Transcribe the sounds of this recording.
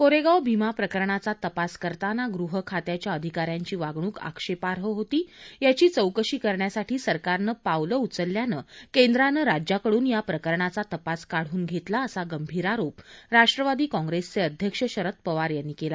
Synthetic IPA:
koɾeɡawbʱimapɾəkəɾɳat͡sat̪əpaskəɾt̪anaɡɾuɦəkʰat̪jat͡ɕjaəd̪ʱikaɾjaɲt͡ɕiːʋaɡɳ̃uːka̰kʂepaɾɦəɦot̪iːjat͡ɕiːt͡səwkəɕiːkəɾɳjasaʈʰiːsəɾkaɾnəpawləut͡səlːjanəkend̪ɾanəɾad͡ʑjakəɽuːnjapɾəkəɾɳat͡sat̪əpaskaɽ̤uːnɡʱet̪laəsaɡəmbʱiːɾaɾopɾaʂʈɾəʋad̪iːkɔ̃ŋɡɾest͡seəd̪ʱjəkʂəɕəɾət̪̚pəʋaɾjanːikela

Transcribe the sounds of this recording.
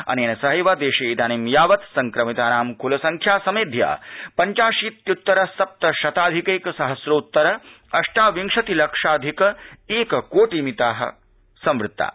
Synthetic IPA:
ɐ̰neːnɐsɐɦɐjʋaːd̪eːʃeːd̪aːnimjaːʋɐt̪sɐŋkɾɐmit̪aːnaːmkulɐsɐŋkʰjaːsɐmeːd̪ʱja̰ːpɐɲt͡ʃaːʃiːt̪jut̪ːɐɾɐsɐp̚t̪ɐʃɐt̪aːd̪ʱikeːkɐsɐɦɐsɾoːt̪ːɐɾɐ | ɐʂʈaːʋiŋʂɐt̪ilɐkʂaːd̪ʱikɐeːkɐkoːʈimit̪aːɦɐ̰ | sɐ̃mʋɾɪt̪ːa̰ː

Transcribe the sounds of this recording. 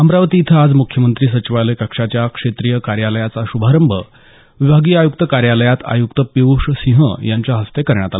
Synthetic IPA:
əmɾaʋət̪iːt̪ʰəad͡zmukʰjəmənt̪ɾiːs̬ət͡ɕiʋaləjkəkʂat͡ɕjakʂet̪ɾijəkaɾjaləjat͡saɕubʱaɾəmbʱə | ʋibʱaɡiːajukt̪əkaɾjaləjat̪a̰juk̚t̪əpiʋuʂsĩɦə̰jaɲt͡ɕjaɦəst̪ekəɾɳjat̪al

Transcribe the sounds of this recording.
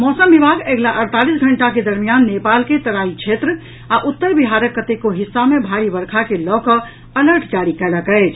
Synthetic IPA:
mɔsəmbibʱaɡeɡlaʔəɾt̪alisɡʱəɳʈaked̪əɾmijanːepalket̪əɾaĩt͡ʃʰet̪ɾə | aʔut̪ːəɾbiɦaɾəkːət̪ekoɦisːamebʱaɾibəɾkʰakelɔkɔ | ələɾʈd͡ʒaɾikɛləkəɪt͡ʃʰ

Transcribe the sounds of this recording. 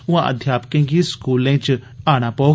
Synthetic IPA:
ʊãːʔə̰d̪ʱjaːpəkẽːɡiskuːlẽːt͡ʃaːɽ̃aːpɔo

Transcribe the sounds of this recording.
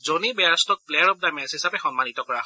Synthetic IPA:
zonibɛastɔk̚plejaɹɔp̚damɛshisapɛxɔnmanit̪ɔkɔɹa

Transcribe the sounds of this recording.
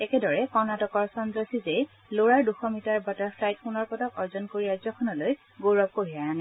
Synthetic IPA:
ɛkɛdɔɹɛkɔnatɔkɔɹsɔndɔsize | loɹaɹduxɔmitaɹbɔtaɹflajtfunɔɹpɔtɔkɔɹzɔnkoɹiɹazɔkʰɔnɔloj | ɡoɹɔp̚koɹijanɛ

